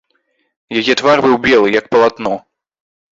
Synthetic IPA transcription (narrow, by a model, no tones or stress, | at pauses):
jɛɡʲɛt̪varbɘwbʲjɛwɘjak̚pɔlat̪nɔ